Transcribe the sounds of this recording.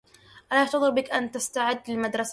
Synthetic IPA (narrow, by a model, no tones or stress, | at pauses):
ʔalaʔɑʕt̪ɑðˤɨɾbɪkʔant̪ast̪aʕɪd̪ːlɪlmad̪ɾˤɑs